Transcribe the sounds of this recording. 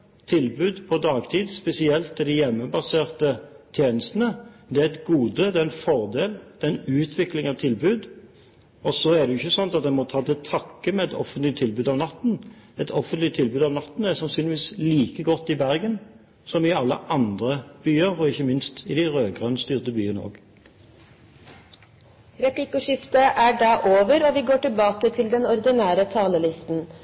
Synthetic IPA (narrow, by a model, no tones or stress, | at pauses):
t̪ʰɪlbʉːd̪pʰɔd̪ɑːɡt̪ʰiːd̪spɛsɪɛlt̪ːɛd̪ɪjɛmːəbɑseːʁt̪ət̪ʰjeːnəst̪ən̩əd̪ɛæɛt̪ɡuːd̪əd̪ɛɛnfɔʁd̪eːld̪̥ɛnʉːt̪ʰʋɪklɪŋɑʋt̪ʰɪlbʉːd̪ | ɔsɔæʁd̪ɛjʏçːəsɔnt̪ɑt̪̚d̪ɛnmɔt̪ʰɑːt̪ɛt̪ʰɑkːəmɛɛt̪ɔ̰fənt̪lɪt̪ʰːɪlbʉːd̪ɑʋnɑt̪ːnɛt̪ʰɔfənt̪lɪt̪ʰɪlbʉːd̪ɑːʋnɑt̪ːn̩ɛsɑnsyːnɪʋiːsliːkəɡɔt̪ːɪbæʁɡən | sɔmɪɑlːə̰ʔɑnd̪ʁəb̥yːəɾɔɪçːəmɪnst̪ɪd̪æɪʁøːɡʁœnst̪yːʁt̪əbyːənəo̰ːɡ | ɾɛpʰlɪkʊʂɪft̪əʔæɖæʔoːʋəɾɔʋɪɡoːʈɪlbɑːkət̪ʰɪld̪ɛnɔɾd̪ɪnæːɾət̪ʰɑːləlɪst̪n̩